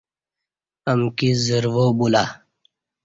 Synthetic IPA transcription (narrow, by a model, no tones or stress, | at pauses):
əmkizəɾwobula